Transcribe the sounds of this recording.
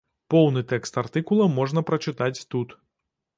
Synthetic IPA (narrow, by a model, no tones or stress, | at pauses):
pɔwnɨt̪ɛkst̪art̪ɨkulˠɐmɔʐnɐpɾɐt͡ʂɨt̪at͡sʲt̪ut̪